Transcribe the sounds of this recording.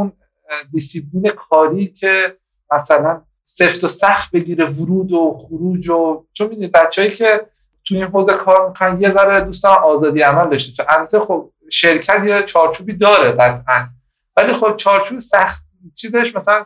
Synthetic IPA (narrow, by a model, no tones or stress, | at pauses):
un | d̪isipʰliːne̞kʰɒːɾiːcʰe̞ | mæsælæn | se̞ft̪osæxt̪̚be̞ɟiːɾe̞voɾuːd̪oχuɾuːd͡ʒot͡ʃʰonmid̪unid̪̚bætt͡ʃʰːeːjiːcʰe̞ | t̪ʰujinɦoːzekʰɒːɾmikʰonæmje̞zæɾed̪ust̪ɒɒːzɒːd̪ijæmæld̪ɒʃt̪e̥o̥ʃeʔælbæt̪ʰe̞xob̚ | ʃeɾcʰæt̪je̞t͡ʃʰɒːɾt͡ʃʰuːbiːd̪ɒːɾebæt̪ʰʔæn | væliːxob̚t͡ʃʰɒːɾt͡ʃʰuːbsæxt̪̚ | t͡ʃʰiːze̞ʃmæsælæn